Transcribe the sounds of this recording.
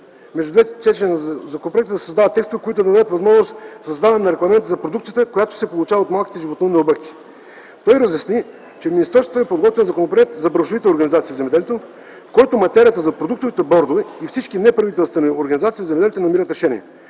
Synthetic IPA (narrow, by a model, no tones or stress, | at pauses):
mɛʒd̪ʊd̪vɛt̪t͡ʃ̪ɛt͡ʃ̪zɐkonopɾoɛk̚t̪əd̪ɐsɐzd̪avət̪ːɛkst̪ovikoit̪ʊd̪ɐd̪ɐd̪ɛət̪vɐzmɔʒnost̪sɐzd̪avɐmnɐɾɛɡlˠɐmɛnt̪əzɐpɾod̪ukt̪sijət̪əkojat̪o̥sɛpolˠut͡ʃavɐot̪malˠkʲit̪ɛʒivot̪noniobɛk̚t̪ʰi̥ | t̪ɔjɾɐzjɐsni | t͡ʃɛminist̪ɾɔɾst̪vot̪ɛpod̪ɡɔt̪vɛnzɐkonopɾoɛt̪zɐbɾɐʃovit̪ɛoɾɡɐnizat̪siːvzɛmɛd̪ɛlʲɛt̪o | fkoɛt̪ʊmɐt̪ɛɾiət̪əzɐpɾod̪uk̚t̪ovit̪ɛbɔɾd̪oviifsit͡ʃkinɛpɾɐvit̪ɛlˠst̪vɛnioɾɡɐnizat̪siːvzɛmɛd̪ɛlʲit̪onɐmiɾət̪ɾɛʃɛniɛ